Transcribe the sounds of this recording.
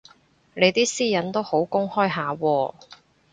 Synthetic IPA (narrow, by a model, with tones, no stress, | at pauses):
ne˨˧jt̪iː˥siː˥jɐ˨˥nt̪o˥who˨˥wkʊ˥ŋhɔː˥jɦaː˨˧wɔː˧